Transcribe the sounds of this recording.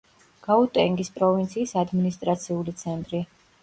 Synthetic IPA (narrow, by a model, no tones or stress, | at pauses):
ɡ̥aut̪ʼɛŋɡispʼɾɔvint̪sʰiːsad̪minist̪ʼɾat̪sʰiulit̪sʰɛnt̪ʼɾi